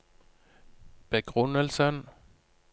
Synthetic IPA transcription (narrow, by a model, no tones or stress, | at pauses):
b̥eɡ̥ʁɔnəlsən